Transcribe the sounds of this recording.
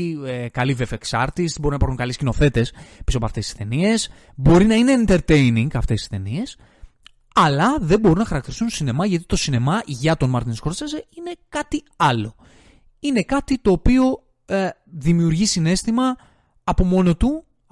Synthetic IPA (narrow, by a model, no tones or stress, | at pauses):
ekɐlivefeksɐ̰ɾt̪isbo̞ɾinɐipɐɾxuŋkɐlescino̞θe̞t̪e̞spisopɐ̰ft̪esi̥st̪e̞nie̞s | bo̞ɾinɐine̞int̪e̞ɾt̪e̞jniŋɡɐft̪esi̥st̪e̞nie̞s | ɐlɐðe̞mbo̞ɾunɐxɐɾɐk̚t̪iɾist̪unt̪sine̞mɐʝɐt̪i̥t̪o̞sine̞mɐʝɐt̪o̞nmɐɾt̪inskoɾsesine̞kɐt̪i | ɐlo̞ | ine̞kɐt̪it̪o̞ːpio̞ | ðimiuɾʝisine̞st̪imɐː | po̞mo̞no̞t̪u